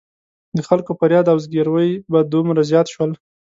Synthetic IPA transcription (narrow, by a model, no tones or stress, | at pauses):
d̪əxalkopəɾjɑd̪awzɡeɾwəjbad̪umɾazjɑt̪ʃwəl